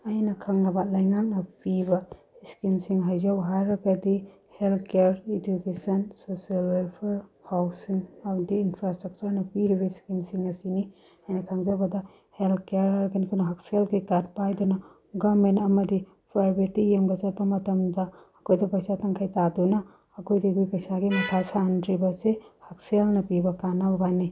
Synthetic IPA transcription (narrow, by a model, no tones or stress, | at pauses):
ɐjnɐkʰaŋnɐbɐlɐjŋak̚nɐpibɐ | iskimsiŋɦajzawɦajɾɐɡɐdi | helt̪ʰkeɾedukesɐnsosialwelpʰeɾhawsiŋawdiːnpʰɾastɾɐk̚t͡ʃuɾnɐpiɾibɐiskimsiŋɐsini | ajnɐkʰaŋzɐbɐdɐ | heltkeaɾɐɾɡɐnikʰunɐɦak̚selɡikad̚pajdunɐ | ɡamentɐmɐdi | pʰaɾbitijemɡɐzɐt̚pɐmɐtɐmdɐː | kojdɐpɐjsatɐŋkʰajtadunɐː | kʰojdiɡujpɐjsaɡimɐtʰasandɾibɐsehak̚selnɐpibɐkanawbani